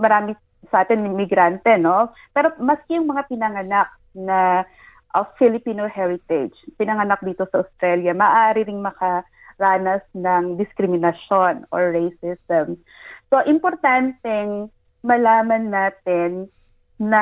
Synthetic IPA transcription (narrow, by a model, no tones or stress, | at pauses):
mɐɾaːmɪ | sɐʔaːt̪ɪnɪmɪɡɾant̪ɛno̞ | pɛːɾo̞mɐskɛjʊŋmɐŋapɪnɐŋɐnak̚ | nɐ | ʔɐfɪlɪpiːnohɛɹɪt̪ɛd͡ʒpɪnɐŋɐnak̚d̪iːt̪o̞sɐʔost̪ɾɛljɐmɐːʔaːɾɪɾɪŋmɐkɐ | ɾaːnɐsnɐŋd̪ɪskɾɪmɪnɐʃo̞no̰ɹːejsɪst̪ɛm | so̞ʔɪmpoɾt̪ant̪ɛŋ | mɐlaːmɐnːaːt̪ɪnː | ɐ